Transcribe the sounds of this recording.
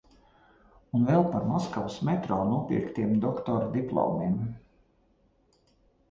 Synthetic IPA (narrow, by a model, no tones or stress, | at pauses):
unvɛlˠpaɾmɔskawusmʲɛt̪ɾɔːnuɔpʲḭɾkt̪iɛmd̪ɔkt̪ɔɾd̪iplˠɔ̰ːmim